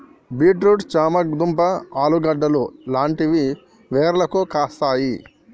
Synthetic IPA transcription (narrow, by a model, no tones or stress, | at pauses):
biːʈɾuʈt͡ʃaːmɐɡd̪umpɐaːluɡɐɖːɐlulaːɳʈiʋi | ʋeːɾlɐkukaːst̪aːji